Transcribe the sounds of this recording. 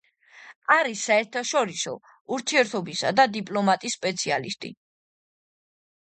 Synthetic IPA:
aɾisːaɛɾt̪ʰaʃɔɾisɔ̰ | uɾt̪ʰiɛɾt̪ʰɔbisa̰d̪ad̪ipʼlˠɔmat̪ʼisːpʼɛt̪sʰialist̪ʼḭ

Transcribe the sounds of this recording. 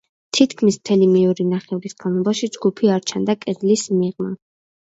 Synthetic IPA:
t̪ʰit̪ʰkʰmismt̪ʰɛlimiuɾinaχɛɔɾisɡamɔbaʃid͡ʒɡupʰiaɾt͡ʃʰand̪akʼɛd̪lismiʁma

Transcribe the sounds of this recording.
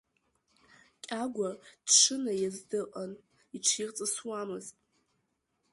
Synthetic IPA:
kʲʼaɡʷad̥ʂɨnajazdɨqʼan | iʈ͡ʂʰirt͡sʼɨswamɨztʼ

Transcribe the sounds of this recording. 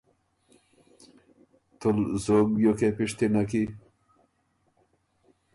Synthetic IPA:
t̪ulzoɡjokepiʂt̪inaki

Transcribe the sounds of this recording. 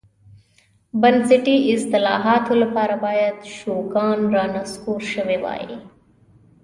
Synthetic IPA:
bɐnsɪʈiːʔɪst̪ɐlaːɦaːt̪ɦulpʰaːɾɐbaːjɐt̪ʃoːkaːnɾaːnɐskuːɾʃɐʋeːʋa̰ːḛː

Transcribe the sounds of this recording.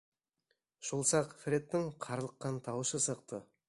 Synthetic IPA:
ʒ̥ʊlˠsɑqfɾʲe̞t̪ːɪŋqʰɑɾlˠəqːɑnt̪ʰɑwəʃəsəq̚t̪ə

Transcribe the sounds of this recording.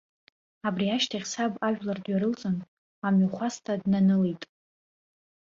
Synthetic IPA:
abriaʃtʰaχʲsabaʒᶣlardɥaɾɨlt͡sʼɨn | amɥaχʷastʰadnanɨlitʼ

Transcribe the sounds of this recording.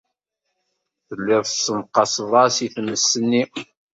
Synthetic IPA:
θəlːɪðˤfsəmqːɑsvˤɑsiθməsːənːi

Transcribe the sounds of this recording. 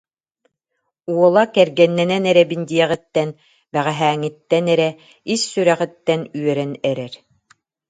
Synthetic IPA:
uɔlˠakɛɾɡɛnːɛnɛnɛɾɛbind̪iɛʁɛ̆t̪ːɛn | bæʁæɦæːŋit̪ːɛnɛɾɛ | isːyɾæʁɛ̆t̪ːɛnyœɾɛnɛɾɛɾ

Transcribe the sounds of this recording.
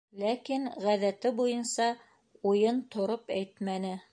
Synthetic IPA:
lækinʁæðæt̪ɘbujɤnsɑ | ujɤnt̪ʰŏɾopæjt̪mænɘ

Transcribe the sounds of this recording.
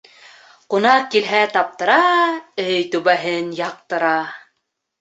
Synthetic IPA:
qunɑqkːilɦæt̪ɑp̚t̪ɤ̆ɾɑɵjt̪ʉ̆βæɦɘnjɑq̚t̪ɤ̆ɾɑ

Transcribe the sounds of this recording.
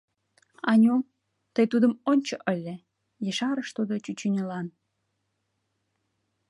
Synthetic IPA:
ɑnʲom | t̪əjt̪ud̪əmonʲt͡ɕoʔəlʲːe | jəʃɑɾəʃt̪ud̪ot͡ɕyt͡ɕynʲəlɑn

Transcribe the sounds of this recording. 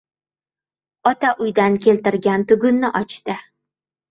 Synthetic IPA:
ɒt̪aʔʊjd̪ankʲʰe̞lt̪ɪɾɡʲant̪ʊɡʲʊnːɪʔɒt͡ʃt̪ɪ

